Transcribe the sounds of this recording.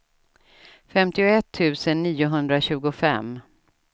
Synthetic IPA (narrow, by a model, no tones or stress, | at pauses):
fɛmt̪ɪʊɛt̪ʰːʉ̟ːsənːiːʊɦɵnd̪ɾaɕʉ̟ːɡʊfɛ̰m